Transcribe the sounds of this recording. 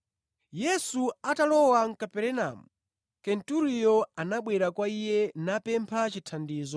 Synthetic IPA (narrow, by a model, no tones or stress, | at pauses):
jɛsuatalɔwaŋ̩kapɛɾɛna̰mu | kɛntuɾijɔanaɓwɛɾakwaijɛnapɛmpʰat͡ʃitʰandiːzɔ